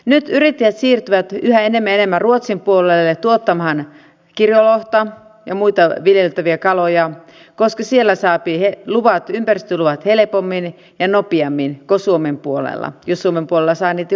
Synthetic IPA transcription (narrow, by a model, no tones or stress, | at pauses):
nyt̪yɾit̪ːæjæt̪siːrt̪yʋæt̪yhæenemːæenemːæruot̪simpuolelːet̪uot̪ːɑmhɑn | kirjoloht̪ɑ | jɑ̰muit̪ɑʋiljelt̪æʋiækɑlojɑ | koskɑsielːæsɑːpiheluʋɑt̪ympærist̪øluʋɑt̪helepomːin | jɑnopiɑmːinkosuomempuolḛlːɑ̰jossuomempuolelːɑsɑːniːt̪